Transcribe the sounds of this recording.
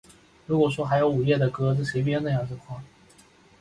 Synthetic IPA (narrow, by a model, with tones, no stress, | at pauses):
ɻu˧˥kwɔ˨˩ʂwɔ˥xa˧˥ɪjo˧˥ʊu˨˩jɛ˥˩d̪ə˩kɤ˥t͡s̩˥˩ʂe˧˥ɪp̬jɛ˥nɤ˥˧jɑ˥˩ŋʈ͡ʂə˥˩kʰwa˥˩